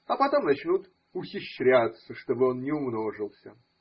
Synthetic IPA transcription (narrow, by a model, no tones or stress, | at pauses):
ɐpɐt̪o̞mnɐt͡ɕnut̪ | ʊxʲɪɕːɾʲæjʊt̪səʂt̪o̞bɨo̞nnʲɪʊmno̞ʐɨlˠsʲə